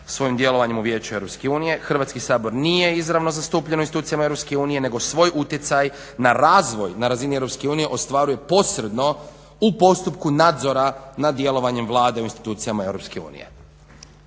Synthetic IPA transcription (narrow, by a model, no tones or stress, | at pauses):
sʋo̞jimd̪je̞lo̞ʋaɲemuʋje̞ːt͡ɕueɾo̞pske̞uːnije̞xr̩ʋaːt̪skisaːbo̞ɾnije̞izɾaʋno̞zast̪uːpʎenouinsit̪uːt̪sijamaeɾopske̞uːnije̞ne̞ɡo̞sʋo̞ːjʔut̪jet̪saj | naɾaːzʋo̞jnaɾazinie̞ɾo̞pske̞uːnije̞ʔo̞st̪ʋaːɾuje̞po̞sɾe̞d̪no̞ | upo̞st̪upkunaːd̪zo̞ɾanad̪je̞lˠo̞ʋaɲemʋlˠaːd̪e̞uinst̪i̥t̪uːt̪sijamae̞wɾo̞pske̞ṵːnḭe̞̰